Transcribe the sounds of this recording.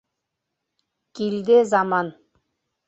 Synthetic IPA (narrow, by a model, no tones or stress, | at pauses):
kild̪ɘzɑmɑn